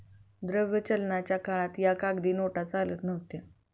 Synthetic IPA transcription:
d̪ɾəʋjət͡ɕəlɳat͡ɕjakaɭat̪jakaɡd̪iːnoʈat͡salət̪nəʋt̪a

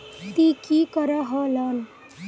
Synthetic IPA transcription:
t̪ikikʌɾaɦʌlʌn

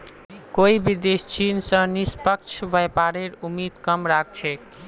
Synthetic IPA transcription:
koibid̪est͡ʃinsə̃nispək̚t͡ʃʰbəjpaɾeɾumid̪kəmɾak̚ʰt͡ʃʰɛ

